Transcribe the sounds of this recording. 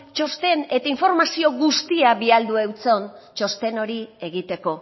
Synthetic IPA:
t͡ʃo̞st̪e̞ne̞t̪aiɱfo̞ɾmasio̞ɣust̪iaβiald̪uewt͡so̞nt͡ʃo̞st̪e̞no̞ɾie̞ɣit̪e̞ko̞

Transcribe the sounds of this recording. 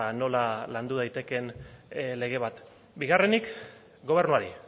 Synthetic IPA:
no̞laland̪uð̞ajt̪e̞ke̞nle̞ɣ̞e̞β̞at̪ | biɣ̞are̞nik | ɡo̞β̞e̞ɾnuaɾi

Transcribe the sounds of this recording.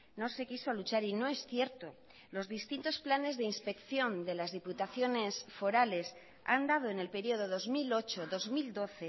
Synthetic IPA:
no̞se̞kisolut͡ʃaɾino̞e̞sθje̞ɾt̪o̞ | lo̞zðist̪int̪o̞splane̞zðe̞inspe̞kθjo̞nd̪e̞lazðiput̪aθjo̞ne̞sfo̞ɾale̞s | a̰nd̪að̞o̞ene̞lpe̞ɾio̞ð̞o̞ðo̞zmilo̞t͡ʃo̞ðo̞zmild̪o̞θe̞

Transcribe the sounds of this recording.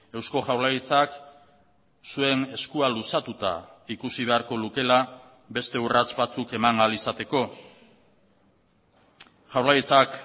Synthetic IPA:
e̞wsko̞ʝawlajt͡sak | sue̞ne̞skualusat̪ut̪a̰ikusiβ̞e̞aɾko̞luke̞la | be̞st̪e̞urat͡sβat͡suke̞maŋalisat̪e̞ko̞ | ʝawlajt͡sak

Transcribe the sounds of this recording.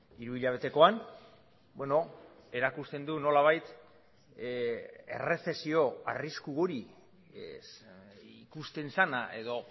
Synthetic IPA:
iɾuiʎaβ̞e̞t̪e̞ko̞an | bwe̞no̞e̞ɾakust̪e̞nd̪uno̞laβ̞ajt̪ | e̞̰re̞θe̞sio̞a̰riskuɣoɾi | ikust̪e̞nsanaʔe̞ðo̞

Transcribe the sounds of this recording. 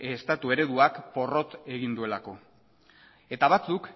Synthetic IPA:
est̪at̪ue̞ɾe̞ðuakpo̞ro̞t̪e̞ɣind̪ue̞lako̞ | e̞t̪aβ̞at͡suk

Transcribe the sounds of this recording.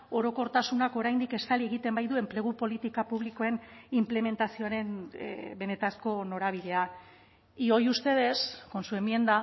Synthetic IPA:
o̞ɾo̞ko̞ɾt̪asunako̞ɾajnd̪ike̞st̪alie̞ɣ̞it̪e̞mbajðue̞mple̞ɣupo̞lit̪ikapuβ̞liko̞e̞nimple̞me̞nt̪asio̞aɾe̞nbe̞ne̞t̪asko̞no̞ɾaβ̞iðe̞a | io̞just̪e̞ð̞e̞sko̞nsue̞mie̞nd̪a

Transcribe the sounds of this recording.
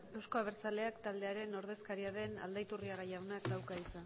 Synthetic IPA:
e̞wsko̞aβe̞ɾt͡sale̞akt̪ald̪eaɾe̞no̞ɾð̞e̞skaɾiaðe̞na̰ld̪ajt̪uriaɣajawnak̚d̪awkaisa

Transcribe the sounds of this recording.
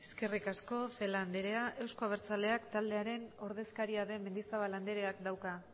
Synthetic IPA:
e̞ske̞rikasko̞fe̞land̪eɾe̞aʔe̞wsko̞aβ̞e̞ɾt͡sale̞akt̪ald̪e̞aɾe̞no̞ɾðe̞skaɾiaðe̞me̞nd̪isaβaland̪eɾe̞akd̪awka

